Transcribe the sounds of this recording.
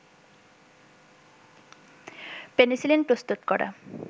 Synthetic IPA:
penisilenpɾost̪ut̪kɔɾa̰

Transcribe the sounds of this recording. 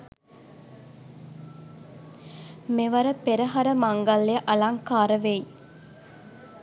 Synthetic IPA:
meʋɐɾəpeɾəɦɐɾəmaŋɡɐlːejəʔɐlaŋkaːɾəʋej

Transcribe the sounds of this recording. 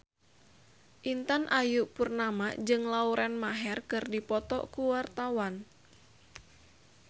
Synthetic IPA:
ʔint̪anʔajuʔpurnamad͡ʒɨŋlauɾʔanmaɦɛrkɨrdipɔt̪ɔ̰kuwart̪awan

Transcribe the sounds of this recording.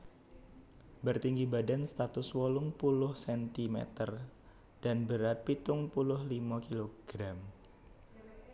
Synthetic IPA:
bərt̪iŋɡibadanst̪at̪ʊswɔlʊŋpulʊhsɛnt̪imɛ̰t̪ər | d̥anbəɾat̪̚pit̪ʊŋpulʊhlimakiloɡ̥ɾam

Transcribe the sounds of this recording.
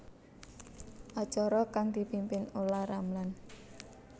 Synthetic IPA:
ʔɔ̥t͡ʃɔɾɔkaŋd̪̥i̤pimpɪnolahɾamlan

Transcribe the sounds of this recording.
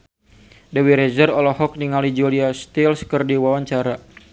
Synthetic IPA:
dɛwiɾɛzərɔlɔhɔk̚niŋalid͡ʒuliast̪ilskərdiwawaɲt͡ʃaɾa

